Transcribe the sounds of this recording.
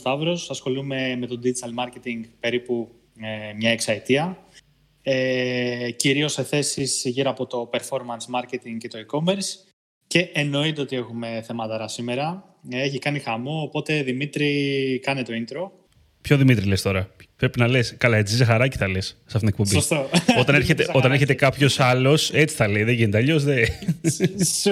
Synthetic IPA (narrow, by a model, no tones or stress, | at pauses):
t̪ɐvɾo̞sɐsxo̞lume̞me̞t̪o̞d̪id͡ʒit̪ɐlmɐɾce̞t̪iŋɡpe̞ɾipu | emɲɐeksɐet̪iɐ | e | ciɾio̞se̞θe̞sisʝiɾɐpot̪o̞pe̞ɾfo̞ɾmɐnsmɐɾcet̪iŋɡcet̪o̞iko̞me̞ɾs | ce̞ʔeno̞it̪eot̪ie̞xume̞θe̞mɐt̪ɐɾɐsime̞ɾɐ | eçikɐnixɐmoːpo̞t̪e̞ðimit̪ɾikɐnit̪o̞int̪ɾo̞ | pço̞ðimit̪ɾile̞st̪o̞ɾɐpɾe̞pinɐleskɐlɐet͡sizizexɐɾɐci̥θɐlessɐft̪it̪nekpombist̪oot̪ɐneɾçet̪eo̞t̪ɐneçet̪ekɐpço̞sɐlo̞se̞t͡si̥θɐleiðeʝint̪eɐʎo̞zðe